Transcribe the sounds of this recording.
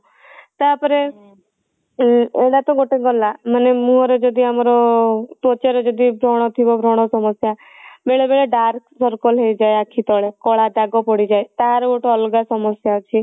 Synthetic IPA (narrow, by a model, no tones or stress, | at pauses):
t̪apɔɾe | eɽat̪ɔɡoʈeɡɔlamənemũɔɾed͡ʒɔd̪iamɾɔpɔt͡ʃeɾed͡ʒɔd̪ibʱɾɔɽ̃ɔt̪ʰibɔbʱɾɔɽ̃ɔsɔmɔsja | beɭebeɭeɖaɾksɔɾkɔlɦejd͡ʒaeakʰit̪ɔɭekɔɭad̪aɡɔpɔɽid͡ʒaet̪aɾoʈɔɔlɡasɔmɔsjat͡ʃʰi